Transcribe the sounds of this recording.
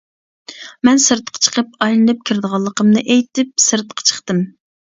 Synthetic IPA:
mɛnsɨɾt̪̚qʰɑ̥t͡ʃʰə̥qʰəp̚ɑjlˠɨnɨp̚kʲʰiɾd̪əʁɑlˠːəqəmnɨʔejt̪ɪp̚sɨɾt̪̚qʰɑ̥t͡ʃʰə̥χt̪ɨm

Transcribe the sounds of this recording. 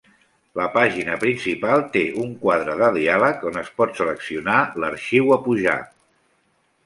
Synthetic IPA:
ləpaʒinəpɾinsipalˠt̪eʔuŋkwað̞ɾəðəðialəkonəspɔt̪sələksiunaləɾʃiwəpuʒa̰

